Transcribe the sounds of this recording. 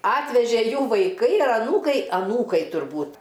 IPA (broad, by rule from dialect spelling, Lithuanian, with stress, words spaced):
ˈɑːtʲʋʲɛʒʲeː ˈjuː ʋɐɪˈkɐɪ ɐr ɐˈnuːkɐɪ ɐˈnuːkɐɪ tʊrˈbuːt